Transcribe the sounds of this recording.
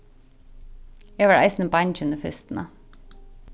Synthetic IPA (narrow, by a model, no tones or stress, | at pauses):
jeːʋæːɹʔæ̰ɪsn̩əbɑnçʉnəfʏst̪n̩ə